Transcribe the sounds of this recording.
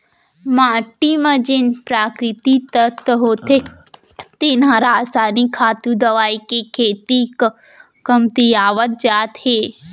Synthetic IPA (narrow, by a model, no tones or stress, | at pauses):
maːʈimɐ̃d͡ʒɪnpɾaːkɾɪt̪it̪ət̪ɦoːt̪ʰe | t̪ɪnãɾaaːsaːnikʰaːt̪ũd̪ɐʋaːikekʰeːt̪ik | kɐmt̪ijaːʋət̪̚d͡ʒaːt̪heː